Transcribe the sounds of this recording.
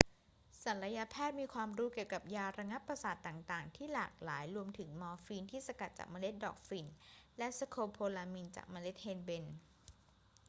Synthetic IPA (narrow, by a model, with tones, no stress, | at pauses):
sa˩˦nɾa˧ja˧˥pʰɛː˥˩t̪̚miː˧kʰwaː˧mɾuː˦˥ki˨˩əwka˨˩p̚jaː˧ɾa˧ŋa˦˥pːɾa˧saː˨˩t̪ːaː˨˩ŋt̪aː˨˩ŋt̪ʰiː˥˩laː˨˩k̚laː˩˦jɾu˧əmt̪ʰɯ˩˦ŋmɔː˧fiː˧nt̪ʰiː˥˩sa˧ka˨˩t̪̚t͡ɕa̰ː˨˩k̚maː˧le˦˥t̪̚dɔ̰ː˨˩k̚fi˨˧˩nlɛ˦˥sa˧kʰoː˧pʰoː˧laː˧mi˧nt͡ɕa̰ː˨˩k̚maː˧le˦˥t̪̚heː˧nbe˧n